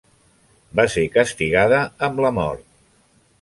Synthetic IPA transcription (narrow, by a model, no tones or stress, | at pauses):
basekəst̪iɣaðəːmləmɔ̰ɾt̪̚